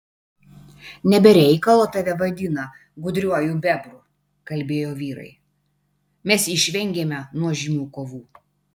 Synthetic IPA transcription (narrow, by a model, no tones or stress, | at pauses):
nʲɛbʲɛɾʲɛɪkɐlˠoːt̪ɐʋʲɛʋɐd̪ʲɪnɐ | ɡʊd̪ʲɾʲuɔjubʲɛbɾʊ | kɐlʲbʲeːjoːʋʲiːɾɐ̰ɪ | mʲɛsɪʃʲʋʲɛŋʲɡʲeːmʲɛnuɔʒʲɪmʲuːkoːʋuː